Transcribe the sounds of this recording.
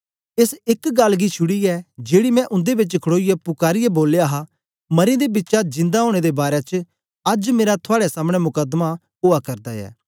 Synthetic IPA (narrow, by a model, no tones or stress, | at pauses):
ɪsɪkɡɐlːɡit͡ʃʰʊɽiɛːd͡ʒeːɽimɛ̃ʔʊ̃nd̪ebɪt͡ʃkʰɽoːijɛpʊkaːɾɪjɛboːleaːɦa | mɐɾẽd̪ebɪtːt͡ʃad͡ʒɪ̃nd̪aɦoːɽ̃ed̪ebaːɾet͡ʃ | ɐd͡ʒmeːɾat̪ʰʊaːɽesaːmɽ̃ɛmʊkəd̪ma | ʊːakɐɾd̪aɛ̰ː